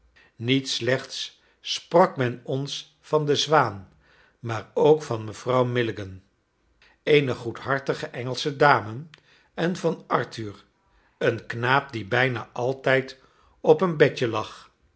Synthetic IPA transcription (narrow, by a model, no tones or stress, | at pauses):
nitslɛχts | sprɑkmɛnɔns | fɑndəzʋaːn | maːrowkfɑnməv̥rɑwmɪlɪɡən | ejnəχutɦɑɹtəχəʔɛŋəlˠsədaːmə | ɛnvɑnɑɹtyːr | ənknaːp̚dibɛjnaːʔɑlˠtɛjt | ɔpənbɛcəlɑχ